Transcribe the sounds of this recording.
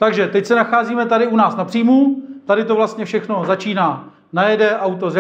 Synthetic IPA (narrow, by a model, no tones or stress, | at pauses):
t̪aɡʒɛt̪ɛcsɛnaxaːziːmɛt̪adɪunaːsnapr̥iːmut̪adɪt̪o̞vlast̪ɲɛfʃɛxno̞zat͡ʃiːnaː | najɛdɛʔawt̪̬oz